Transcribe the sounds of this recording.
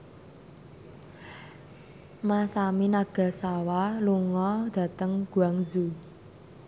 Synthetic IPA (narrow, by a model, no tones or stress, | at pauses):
masaminaɡ̥a̤sawaluŋɔd̪̥ä̤t̪əŋɡ̥ṳaŋzu